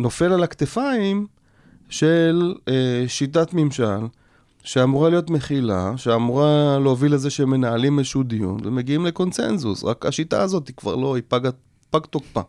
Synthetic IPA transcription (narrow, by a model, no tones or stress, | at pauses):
no̞fe̞lalakt̪efaim | ʃe̞leʃitat̪mimʃal | ʃeamuʁalijo̞t̪me̞χila̰ʃeamuʁaleovilezeʃeme̞naːlimezʃud̪ijṵnveme̞ɡiimle̞ko̞nse̞̰nzṵsʁa̰ka̰ʃita̰ːzo̞t̪ikva̰ʁlo̞ipaɡa | paɡt̪okpa̰